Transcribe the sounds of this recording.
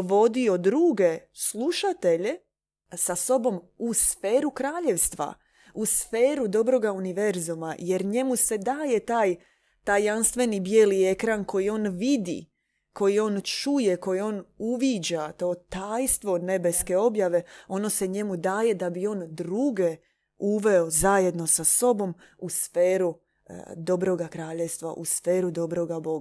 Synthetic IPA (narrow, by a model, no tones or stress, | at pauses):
ʋo̞d̪io̞d̪ɾuːɡe̞slˠuʃat̪e̞ʎe̞ | saso̞bo̞musfe̞ːɾukɾaːʎe̞ʋst̪ʋa̰ | usfe̞ːɾud̪o̞bɾo̞ɡauniʋe̞ɾzumaje̞ɾɲe̞muse̞d̪aːje̞t̪aːj | t̪aːjːanst̪ʋe̞nibje̞ːlie̞kɾanko̞jio̞ːnʋid̪ḭ | ko̞jio̞ːnt͡ʃuje̞ko̞jio̞ːnuʋid͡ʑat̪oːt̪aːjst̪ʋo̞ne̞be̞ske̞o̞bjaʋe̞o̞no̞se̞ɲe̞mud̪aːje̞d̪abio̞ːnd̪ɾuɡe̞ | uʋe̞ozaje̞d̪no̞saso̞bo̞m | usfeːɾu | d̪o̞bɾo̞ɡakɾaːʎe̞ʋst̪ʋa̰ʔusfeːɾud̪o̞bɾo̞ɡabo̞ɡa